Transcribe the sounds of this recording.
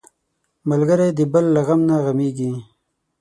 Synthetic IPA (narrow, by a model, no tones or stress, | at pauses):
malɡəɾajd̪əbəlːaɣamnaɣameɡi